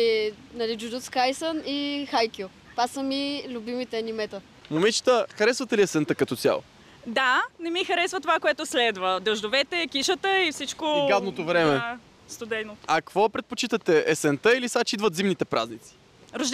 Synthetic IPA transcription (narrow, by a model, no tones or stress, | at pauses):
i | nɐlid͡ʒud̪ut̪skajsənixajkʲo | pasəmilʲubimit̪ɛnimɛt̪ə | momɛnt͡ʃi̥t̪əxɐɾɛsvət̪ɛliɛsɛnt̪əkɐt̪ɔt̪ja̰lˠo̰ | d̪anɛmixɐɾɛsvət̪ovakoɛt̪ʊslɛd̪vəd̪ɛʒd̪ovɛt̪ɛːkiʃət̪əifsit͡ʃkoɡad̪not̪ovɾɛmɛ | st̪od̪ɛjnoɐkvɔpɾɛt̪̚pot͡ʃit̪ət̪ɛʔɛsɛnt̪əilisat͡ʃid̪vət̪zimnit̪ɛpɾʔa̰znit̪si̥ | ɾoʒ